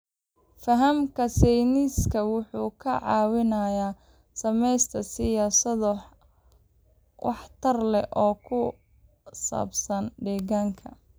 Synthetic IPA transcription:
fɐɦɐmkʰɐsɛjniskʰɐwʊħuːkʰɐʕɑːwɪnajaː | sɐmɛjst̪ʰɐsɪjaːsɐð | wʔɑ̰ħt̪ʰɐrlɛ̰ʔɔːkʰʊ | sa̰ːbsɐnɖɛːɣaːŋkʰɐ̰

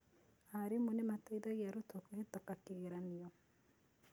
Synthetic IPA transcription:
haɾimonemataiðaɣjaɾotokuhetɔkakiɣeɾaniɔ

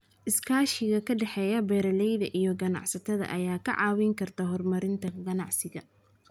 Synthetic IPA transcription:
ʔɪskʰaːʃɪɣɐkʰɐɖɛħɛːjɐbɛːɾɐlɛjðɐʔijɔɡɐnɑ̰ʕsɐt̪ʰɐðɐ̰ʔɐjaːkʰɐ̰ʕɑ̰ːwɪŋkʰɐrt̪ʰɐɦɔrmɐɾɪnt̪ʰɐɡɐnɑ̰ʕsɪɣɐ

